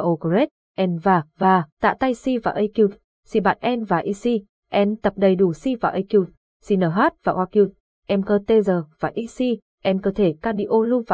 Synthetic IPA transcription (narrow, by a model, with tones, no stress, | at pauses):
ʔo˧kze˦˥t̚ | ʔɛ˧nvaː˨˩vaː˨˩t̪a̰ː˧˨t̪a˧jsi˧vaː˨˩ʔə˧jki˧wt̚ | si˧ɓa̰ː˧˨nʔɛ˧nvaː˨˩ʔi˧si˧ | ʔɛ˧nt̪ə˨˩p̚ɗə˨˩jɗu˧˩si˧vaː˨˩ʔə˧jki˧wt̚ | si˧nəː˧˩ɦaː˦˥t̚vaː˨˩ʔwaː˧ki˧t̚ | ʔɛ˧mkəː˧t̪e˧zəː˨˩vaː˨˩ʔi˧si˧ | ʔɛ˧mkəː˧t̪ʰe˧˩kaː˧ɗḭ˧ʔo˧lu˧vaː˨